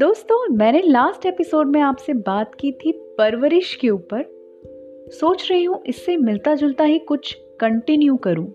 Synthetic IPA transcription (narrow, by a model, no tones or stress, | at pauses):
d̪oːst̪õmɛ̃ːnelaːsʈeːpɪsoːɖmẽaːpsebaːt̪kiːt̪ʰipɐɾʋəɾɪʃkeuːpəɾ | soːt͡ʃɾɐɦiɦũʔɪsːemɪlt̪ad͡ʒʊlt̪aɦikʊt͡ʃʰ | kɐ̃ɳʈɪnjukɐɾũː